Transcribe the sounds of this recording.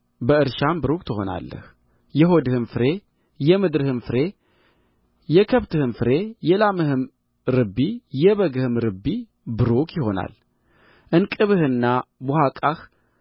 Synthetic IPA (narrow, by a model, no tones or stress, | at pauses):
bəɨɾʃambɨɾukt̪ʰɨho̞na̰lːə̰h | jɛɦo̞d̪ɨhɨnfɨɾe̞ | jɛmɨd̪ɾɨhɨnfɨɾe̞ | jɛkʰəβt̪ɨhɨnfɨɾe̞jɛlamɨhɨm | ɾɨbːijɛβəɡɨhɨmɾɨbːi | bɨɾukjɪho̞na̰l | ʔɨnkʼɨβɨhɨnːabohakʼax